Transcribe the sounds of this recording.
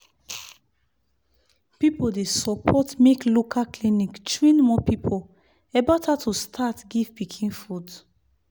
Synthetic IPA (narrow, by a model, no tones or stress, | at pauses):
pipodesɔpʰɔtmeklokʰaklinikt͡ʃɹĩnmɔpipʰo | ɛbatʰatʰustʰatɡivpikʰĩnfud